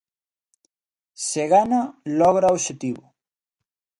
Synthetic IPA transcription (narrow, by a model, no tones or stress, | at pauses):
seɣanalɔɣɾaoʃet̪iβʊ